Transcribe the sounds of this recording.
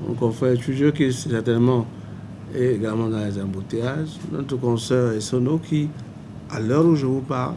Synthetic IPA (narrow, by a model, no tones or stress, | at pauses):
ɔ̰̃kɔ̃fɛtyd͡ʒøkisɛsɛʁt̪ɛnmɑ̃ | eːɡalmɑ̃dãlɛzãbot̪eaʒnɔ̰̃t̪əkɔ̃sœʁesɔ̃nokʰi | alœɾuʒəvupal